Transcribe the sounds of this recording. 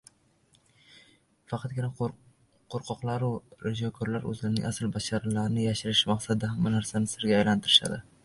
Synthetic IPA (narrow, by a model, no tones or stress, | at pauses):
fɑqʰɑt̪̚ɡʲɪna | qʰoɾqʰɒqlˠaɾʊɾɪd͡ʒɒkʰɒɾlaɾɵ̰zlaɾɪnɪ̰ŋʲʔasɪlbaʃaɾɪlaɾnɪjaʃɪɾɪʃmaqsad̪ɪd̪aɦamːanaɾsanɪsɪɾɡʲaːjlant̪ʰɪɾɪ̥ʃa̰d̪ɪ